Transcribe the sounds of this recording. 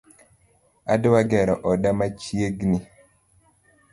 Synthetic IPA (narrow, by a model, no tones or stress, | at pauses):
a̰dwaɡɛɾɔʔɔdamat͡ʃjeɡni